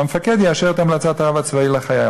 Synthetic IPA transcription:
amefaked̪jiaʃeʁt̪amlat͡sat̪aʁavat͡svailaχaja

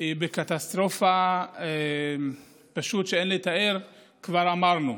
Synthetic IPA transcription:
bekat̪ast̪ʁo̞fa | paʃut̪ʃeenlet̪ae̞ʁ | kvaʁamaʁnu

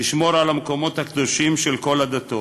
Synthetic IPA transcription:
iʃmo̞ɾalamko̞mo̞t̪hakd̪o̞ʃimʃelko̞lad̪at̪o

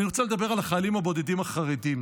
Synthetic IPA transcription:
niʁot͡saled̪abe̞ʁalaχaːlimhabo̞d̪ed̪imaχaʁedim

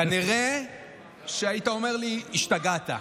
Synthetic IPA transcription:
aniʁe̞ | ʃeaitaome̞ʁliiʃtaɡat̪a̰

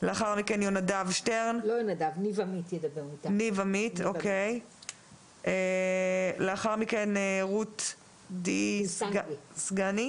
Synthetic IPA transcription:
leaχaʁmikenjonadavʃteʁnlojonadavnivamit̪jed̪ɐbeʁmit̪anivamitokej | ʔe | leaχaʁmikeneʁut | disɡsɡani

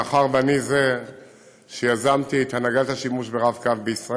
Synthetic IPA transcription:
aχaʁbanize | ʃejazamt̪iet̪hanaɡalt̪aʃimuʃbeʁavkavbeisʁa

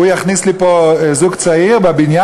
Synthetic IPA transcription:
ujaχnislipozuɡt͡saiʁbabinja

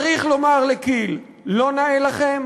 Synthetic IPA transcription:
ʁiχlo̞maʁlekilː | o̞naelaχem

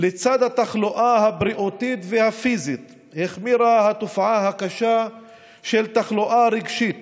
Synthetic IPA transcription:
let͡sad̪hat̪aχloʔahabɾiʔot̪it̪vehafizit̪ | heχmiɾahat̪ofʕaɦakaʃa | ʃelt̪aχloʔaɾiɡʃit̪

